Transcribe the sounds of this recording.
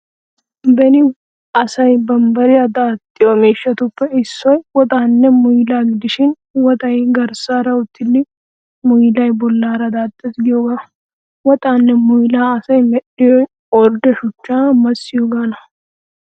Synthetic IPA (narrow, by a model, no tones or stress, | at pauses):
bɛnɪ | ɐsɐjbɐmbɐɾɪɐd̪aːt̪ʼːɪjɔmeːʃːɐt̪ʊpːɛɪsːɔjwɔt̪ʼaːnːɛmʊjlaːɡɪd̪ɪʃɪn | wɔt̪ʼɐjɡɐɾsaːɾɐʊt̪ːɪlːɪ | mʊjɪlɐjbɔlːaːɾɐd̪aːt̪ʼːɛsɡɪjɔɡɐ | wɔt̪ʼaːnːɛmʊjlaːɐsɐjmɛɗɪjɔ | ɔɾd̪ɛʃʊt͡ʃːaːmɐsːɪjʊɡanɐ